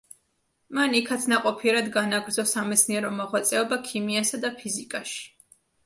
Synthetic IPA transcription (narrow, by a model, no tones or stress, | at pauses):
manikʰat̪sʰnaqʼɔpʰiɛɾad̪ɡanaɡɾd̪zɔsamɛt̪sʰniɛɾɔmɔʁwat̪sʼɛɔbakʰimiasad̪apʰizikʼaʃi̥